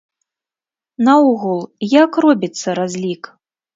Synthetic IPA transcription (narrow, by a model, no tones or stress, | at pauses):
nɐuɣulˠjakrɔbʲit̪sːɐɾazʲlʲik